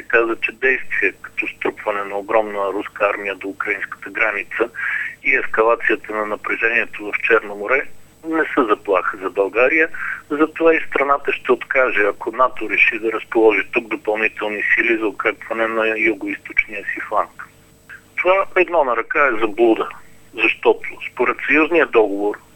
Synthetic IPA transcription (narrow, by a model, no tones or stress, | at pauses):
sɛkazvət͡ʃɛd̪ɛjst̪viɛkɐ̥t̪ɔst̪ɾupvɐnɛnɐoɡɾɔmnəɾuskəaɾmijəd̪oukɾɐinskə̥t̪əɡɾanit̪səiɛskɐlˠat̪sijət̪ənɐnɐpɾɛʒɛniɛt̪ovɐft͡ʃɛɾnomoɾɛ | nɛsəzɐplˠaxəzɐbɐlˠɡaɾijəzɐt̪ovaist̪ɾɐnat̪əʃt̪ɛot̪kaʒɛɐkonat̪oɾɛʃid̪ɐɾəspolˠɔʒit̪uɡ̚d̪opɐlˠnit̪ɛlˠnisilizɐokɾakvɐnɛnɐjuɡoist̪ot͡ʃnijəsiflˠaŋk | t̪ovaɛd̪nɔnɐɾɐkaɛzɐblˠud̪ə | zɐʃt̪ɔt̪ʊ̥spoɾɛt̪sɐjuznijəd̪ɔɡovoɾ